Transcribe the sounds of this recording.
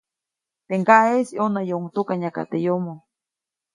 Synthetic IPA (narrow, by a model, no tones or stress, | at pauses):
t̪eŋkaʔesionajoŋt̪ukaɲaka̰t̪ejomo